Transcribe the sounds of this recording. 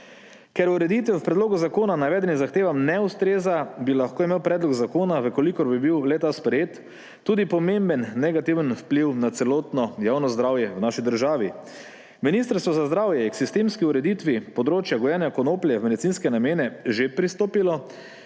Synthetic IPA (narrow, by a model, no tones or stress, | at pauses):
kɛɾuɾɛd̪it̪ʋɛwpɾɛd̪loːɡuzakoːnanaʋɛːd̪ɛnizaxt̪eːʋamnɛust̪ɾeːzabilaxkoːimeːwpɾɛːd̪lɔɡzakoːnaʋəkolikɔɾbibiwlɛt̪aspɾɛjeːt̪ː | uːd̪ipɔmẽmbənːɛɡat̪iʋənfpliwnat̪sɛloːt̪nɔjaːwnɔzd̪ɾaːwjɛwnaʃid̪əɾʒaːʋi | minist̪əɾst̪ʋɔzazd̪ɾaːwjɛiksist̪eːmskiuɾɛd̪it̪ʋipɔd̪ɾoːt͡ʃjaɡɔjɛnjakɔnoːplijɛmɛd̪it̪sinskɛnameːnɛʒepɾist̪oːpilɔ